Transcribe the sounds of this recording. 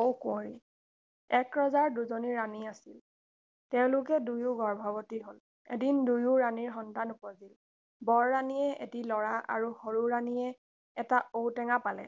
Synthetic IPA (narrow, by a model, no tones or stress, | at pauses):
owkɔɹi | ɛkɹɔzaɹduzoniɹaniasil | tɛʊ̃lʊk̬ɛdujʊɡɔɹbʱabɔtiɦʊl | ḛdindujuɹaniɹɦɔntanupɔzil | bɔɹːanijɛʔḛtilɔɹaʔa̰ɹuhoɹuɹaniɛː | taowtɛŋapalɛ̰